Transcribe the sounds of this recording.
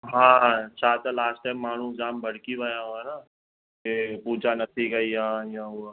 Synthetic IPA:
ɦãːt͡ʃʰaːt̪alaːsʈaɪmːaːɳ̤ũd͡ʒaːmbʱɐɽ̤kibʱajãɦoɛna | kepuːd͡ʒanɐt̪ʰiɡɐijɦãjão

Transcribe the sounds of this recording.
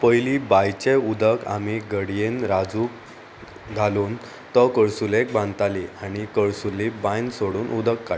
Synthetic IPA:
pəjlibajt͡ɕeud̪əka̰miɡəɽjenɾad͡zuːk | ɡ̪ʱaluːn | t̪əkəɭsulek̚bãnt̪aliañikəɭsulebãjnsoɽuːnʔud̪əkːa

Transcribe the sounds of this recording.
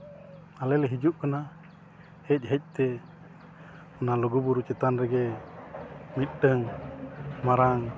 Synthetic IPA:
alɛlɛɦid͡ʒuʔkana | hɛc̚ˀɦɛc̚ˀt̪ɛ | ɔnalɔɡubuɾut͡ʃɛt̪anɾɛɡɛ | mit̪̚ɖəŋ | maɾaŋ

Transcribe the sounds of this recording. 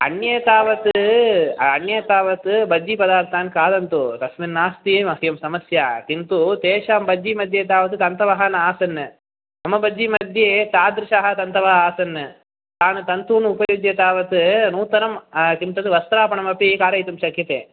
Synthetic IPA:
ɐ̰ɳjɐt̪aːʋɐt̪ɨɐɳjɐt̪aːʋɐt̪ɨbɐd͡ʒipɐd̪aːɾt̪aːnkaːd̪ɐnt̪ut̪ɐsminːaːst̪imɐɦjɐmsɐmɐsja̰ːk̪int̪ut̪eːʂaːmbɐd͡ʒimɐd̪ʱjeːt̪aːʋɐt̪ɨt̪ɐnt̪ɐʋɐɦɐnaːsɐnːɨ | ɐmɐbɐd͡ʒimɐd̪ʱjeːt̪aːd̪ɾɪʃaːɦɐt̪ɐnt̪ɐʋɐaːsɐnːɨ | t̪aːnɨt̪ɐnt̪uːnupɐjud͡ʒjɐt̪aːʋɐt̪ɨnuːt̪ɐnɐmkimt̪ɐt̪ɨʋɐst̪ɾaːpɐɳɐmɐpikaːɾɐjt̪umʃɐkjɐt̪ḛː

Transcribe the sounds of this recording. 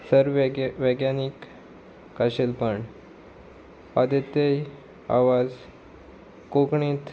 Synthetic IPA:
səɾʋeɡjanikː | aɕelpəɳ | ad̪et̪ej | a̰ʋad͡z | kokɳĩt̪

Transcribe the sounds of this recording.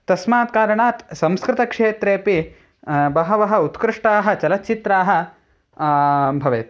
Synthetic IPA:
t̪ɐsmaːt̪̚kaːɾɐɳaːt̪sɐ̃mskɾɪt̪ɐkʂeːt̪ɾeːpi | bɐɦɐʋɐɦɐ̆ut̪kɾɪʂʈaːɦɐ̆t͡ʃɐlɐt̪t͡ʃit̪ɾaːɦɐ̆ | bʱɐʋḛːt̪

